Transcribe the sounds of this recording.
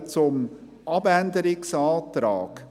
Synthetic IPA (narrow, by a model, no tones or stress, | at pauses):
t͡sʊm | ʔɑbændəɾɪksaːtɾa̰ːk